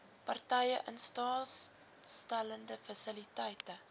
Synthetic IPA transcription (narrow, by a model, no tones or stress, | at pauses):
pɐrtɛjəʔənstɑː | stæləndəfɐsəlitɛjtə